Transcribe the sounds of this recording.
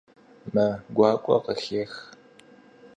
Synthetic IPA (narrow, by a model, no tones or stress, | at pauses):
mɐɡʷɑːkʷʼɔ̰qəɬeːx